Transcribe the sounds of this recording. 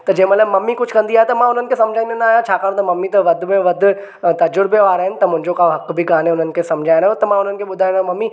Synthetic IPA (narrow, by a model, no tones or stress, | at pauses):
t̪ɐd͡ʑɐ̃ɦɪ̃mɐt̪ləmɐmːikʊd͡ʑʱkɐ̃nd̪iaːɦet̪ɐmãʊn̤ənɪ̆kʰesɐmd͡ʑʱaːĩnd̪onaaːɦjãt͡ɕʰaːkaːɽ̃t̪ɐmɐmːit̪ɐʋɐd̪ʱmẽʋɐd̪ʱ | t̪ɐd͡ʑʊɾbijoaːɾaːɦɪnɪ̆t̪ɐmʊ̃ɦɪ̃ɲd͡ʑokaɦɐkbʱɪɡaːnẽʊn̤ənɪ̆kʰesɐmd͡ʑʱaːjɪ̃ɾaːɦõt̪ɐmãʊn̤ənɪ̆kʰeɓʊd̪ʱaːj̃ɾãõmɐmːi